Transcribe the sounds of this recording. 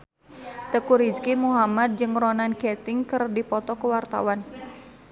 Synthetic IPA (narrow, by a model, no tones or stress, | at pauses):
t̪əkuɾid͡ʒkimuɦamad̪̚d͡ʒɨŋrɔnanɡɛt̪ɪŋkɨrdipɔt̪ɔkəwart̪a̰wan